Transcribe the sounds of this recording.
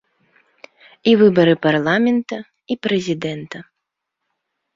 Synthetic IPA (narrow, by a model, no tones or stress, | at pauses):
ivɨbɐɾɨparlˠamʲɛnt̪ɐ | ipɾɛzʲid̪ɛnt̪ɐ